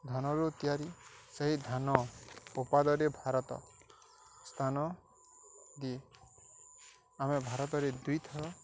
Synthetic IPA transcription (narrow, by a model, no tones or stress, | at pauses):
d̪ʱanɔɾut̪ijaɾiseɦid̪ʱanɔupad̪ɔɾebʱaɾɔt̪ɔ̰ | st̪ʰanɔ | d̪ie | amebʱaɾɔt̪ɔɾed̪ujt̪ʰɔɾɔ